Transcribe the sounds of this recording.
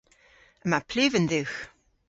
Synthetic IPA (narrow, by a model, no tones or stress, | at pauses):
əmapʰlʉːvənd̪ʉːx